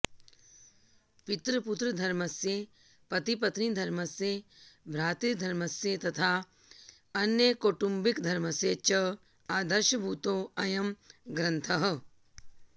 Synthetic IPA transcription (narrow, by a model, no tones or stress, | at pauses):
pɪt̪ɾəpʊt̪ɾɐd̪ʱɐɾmɐsje | pɐt̪ipɐt̪nid̪ʱɐɾmɐsjebʱɾaːt̪iɾd̪ʱɐɾmɐsjet̪ɐt̪ʰaː | ɐnjəkoːʈumbikd̪ʱɐɾmɐset͡ʃɐ | aːd̪ɐɾʃɐbʱuːt̪oːɐjɐmɡɾɐ̃nt̪ʰɐɦ